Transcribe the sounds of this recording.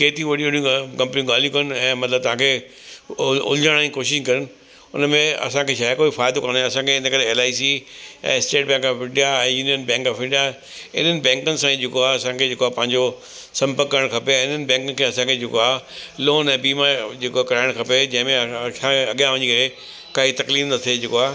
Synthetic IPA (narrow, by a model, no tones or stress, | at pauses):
keːt̪ʰiʋɐɗiʊniũkɐ̃mpniũɡaːljũkɐnɛ̃ːmɐt̪ləb̚t̪ɐʋ̤ãkʰe | ʊ̰lɪd͡ʑaɽ̃aikoːʃɪʃkɐɾənɪ̆ | ʊnəmẽɐ̰sãkʰeʃʰaːakoːifaːɪd̪okɐnɛ̃ɐsãkʰeɪnəkɐɾeeːlaːisiɛ̰̃ːsʈeːʈ̚bɛ̃ːŋkɪ̃ɳɖijaɛ̃ːjuːnijənbɛ̃ːŋkɔfɪ̃ɖija | ɪ̰n̤ənɪ̆bɛ̃ːŋkənɪ̆sãĩd͡ʑekoaɐsãkʰed͡ʑeːkoapɐ̃ɦɪ̃ɲd͡ʑo | sɐ̃mpəɾkːɐɾəɽ̃kʰɐpẽːɪnənɪ̆bɛ̃ːŋkəkʰeɐsãkʰed͡ʑekoaːloːnɛ̃ːbiːmaɾd͡ʑeːkoakɐɾaːɪɽ̃kʰɐped͡ʑɐ̃ɦɪ̃mẽsãɐɠjãʋɐ̃ɲikɐɾe | kaːɦit̪ɐkliːɾnɐt̪ʰied͡ʑekoaː